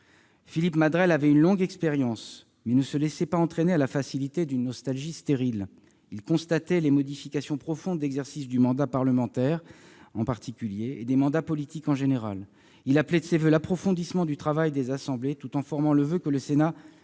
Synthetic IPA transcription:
filipmad̪ʁɛlavɛynlɔ̃ɡɛkspeʁjɑ̃s | mɛnəsəlɛsɛpaɑ̃t̪χenealafasilit̪ed̪ynːɔst̪alʒist̪eʁil | ilkɔ̃st̪at̪ɛlemɔd̪ifikʲasjɔ̃pχɔfɔ̃d̪ːɛɡzɛʁsisd̪ymɑ̃d̪apaʁləmɑ̃t̪ɛʁɑ̃paʁt̪ʰikʲyljeːd̪emɑ̃d̪apɔlit̪ikɑ̃ʒeneʁal | ilaplɛsevølapχɔfɔ̃d̪ismɑ̃d̪yt̪χavajd̪ezasɑ̃blet̪ut̪ɑ̃fɔʁmɑ̃ləvøkələsena

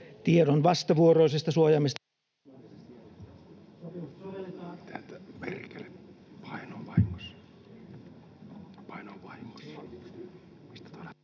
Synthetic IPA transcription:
t̪ieɾonʋɑst̪ɑʋuoroˑisest̪ɑsuojɑmist̪ | t̪ælt̪æperkelepʰɑˑinoʋɑˑimɑs | pɑˑinoʋɑimɑs | mist̪æ̥t̪ɑlɑ

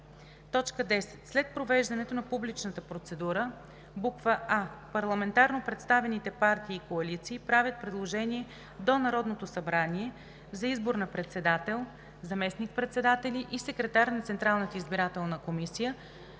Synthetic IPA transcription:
t̪ɔt͡ʃkəd̪ɛsɛ̥t̪slɛt̪̚pɾovɛʒd̪ɐnɛt̪onɐpublit͡ʃnət̪əpɾot̪sɛd̪uɾə | bukvəʔapɐɾlˠɐmɛnt̪aɾnopɾɛt̪st̪avɛnit̪ɛpaɾt̪iːkoɐlit̪siːpɾavʲjət̪̚pɾɛd̪lˠoʒɛniɛ | d̪onɐɾɔd̪not̪osɐbɾaniɛ | zɐizboɾnɐpɾɛt̪sɛd̪at̪ɛlˠ | zɐmɛsnik̚pɾɛt̪sɛd̪at̪ɛliʔisɛkɾɛt̪aɾnɐt̪sɛnt̪ɾalˠnət̪əizbiɾat̪ɛlˠnəkomisijə

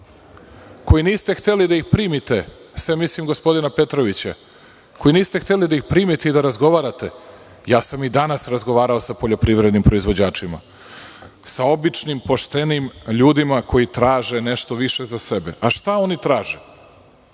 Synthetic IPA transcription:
ko̞jiniːst̪e̞xt̪e̞lid̪aixpɾiːmit̪e̞ | sʋemislimɡo̞spo̞d̪inape̞t̪ɾoʋit͡ɕa̰ | ko̞iniːst̪ext̪elid̪aixpɾiːmit̪eid̪aɾazɡo̞ʋaːɾat̪e̞ | jaːsamid̪anasɾazɡoʋaːɾao̞sapo̞ʎo̞pɾiːʋɾe̞d̪nimpɾo̞izʋo̞d͡ʑaːt͡ʂima̰ | sao̞bit͡ʂnimpo̞ʃt̪e̞nimʎuːd̪imako̞jit̪ɾaːʒe̞neʃt̪o̞ʋiʃezasebe̞ʔaʃt̪aonit̪ɾaːʒe

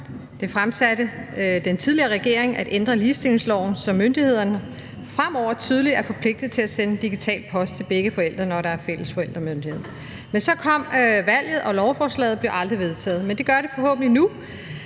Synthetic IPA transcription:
d̥e̝fʁamsæɾəd̥ent͡sʰiðˠliɐːʁɛɡ̥e̝̰ɐ̰eŋʔæd̥end̥ʁɐliːsd̥e̝l̰e̝ŋslɒʊ̰n̩sɒ̽mːønd̥ihe̝ð̞̰ˠɐnə | fʁam̰ɒʊ̰ɐt͡sʰyːð̞ˠəliæɐfɒ̽pʰle̝ɡ̥̚d̥ðˠt͡sʰe̝læsenəd̥iɡ̥it͡sʰɛ̰ːld̥̚pʰɒ̽sd̥t͡sʰe̝lb̥eɡ̥əfɒ̽el̰d̥ʁɐnɒɾɑ̈æɐfel̰əsfɒ̽el̰d̥ʁɐmønd̥ihe̝ð̰ˠɐ | mensɒ̽kʰɒ̽m̰ʋæl̰ð̩ˠʔɒ̽lɒʊfɒːslɛ̰ːð̞̩ˠb̥le̝ʔɑ̈ld̥ʁiʋe̝ð̞ˠt͡sʰɛ̰ːð̞̩ˠmend̥e̝ɡ̥ɶɐɾe̝fɒ̽ɦɔ̰̽ːb̥̚n̩linu

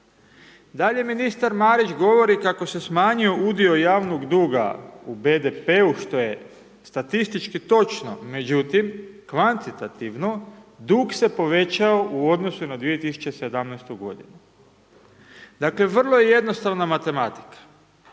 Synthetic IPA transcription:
d̪aʎe̞minist̪aɾmaːɾit͡ʃɡo̞ʋo̞ɾikako̞se̞smaːɲio̞ʔud̪io̞jaːʋnoɡd̪uːɡa̰ube̞d̪epe̞uʃt̪o̞je̞ | st̪at̪ist̪it͡ʃkit̪o̞t͡ʃno̞me̞d͡ʑut̪imkʋant̪it̪at̪iʋno̞d̪ukse̞po̞ʋe̞t͡ɕao̞ʔuo̞d̪no̞sunad̪ʋije̞t̪isu̥t͡ɕe̞se̞d̪amnɛjst̪uɡo̞̰d̪inu | d̪akle̞ʋr̩lˠo̞jeje̞d̪no̞st̪aʋnamat̪e̞mat̪i̥kḁ

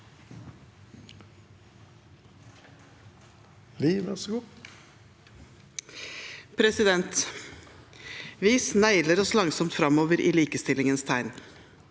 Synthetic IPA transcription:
liʋæʁsɡuː | pʰɾɛsɪd̪ɛnt̪ | ʋiːsnæɪləɾɔslɑŋsɔmt̪fɾɑmoːʋəɾʔḭːliːkəst̪ɪlɪŋənst̪ʰæɪn

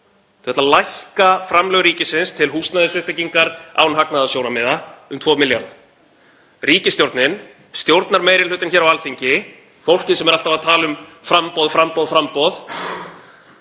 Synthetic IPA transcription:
θu̥ɛt̪alajhkafɾamlœɣɾiːcɪsɪnst̪ʰɪlɦuːsnnaðɪsʏhpɪciŋkaɾa̰ːwnɦaknaðasjownamɪːðaʏmt̪ʰvɔːmɪljan | riːcɪst̪jowɾt̪nɪn | st̪jowɾt̪naɾmejɾɪlʏːt̪ɪnçɛːɾawalfiɲcɪ | fowl̥cɪnsɛmɛɾal̥t̪avaðt̪ʰaːlʏmfɾampɔðfɾampɔðfɾampɔð

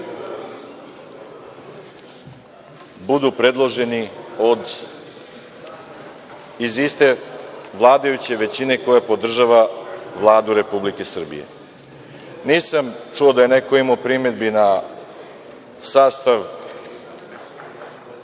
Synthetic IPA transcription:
bud̪upɾe̞d̪lˠo̞ʒe̞nio̞d̪ | izist̪e̞ʋlˠaːd̪ajut͡ɕe̞ʋe̞t͡ɕine̞ko̞japo̞d̪r̩ʒaʋaʋlˠaːd̪uɾe̞publike̞sr̩bḭjḛ | niːsamt͡ʂuod̪aje̞ne̞koimopɾime̞d̪bina | saːst̪aʋ

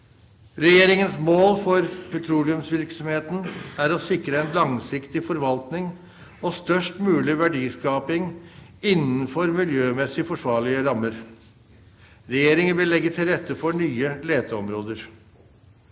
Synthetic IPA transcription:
ɾɛjeːɾɪŋənsmoːlfɔɾpʰɛt̪ʰɾuːlɪʉmsʋɪɾksɔmheːt̪n̩æɾɔsɪkɾəɛnlɑŋsɪkt̪ɪfɔɾʋɑlt̪nɪŋ | ɔst̪œʂʈmʉːlɪʋæɖiːskɑːpɪŋɪnːən̩fɔɾmɪljøːmɛsɪfɔʂʋɑːɭɪəɾɑmːəɾ | ɾɛjeːɾɪŋənʋɪlːɛɡːət̪ʰɪlɾɛt̪ːəfɔɳyːəleːd̪əɔmɾoːd̪əɾ

